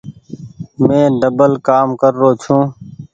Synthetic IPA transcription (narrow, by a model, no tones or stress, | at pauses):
mẽːɖəbəlkaːmkəɾːoːt͡ʃʰũː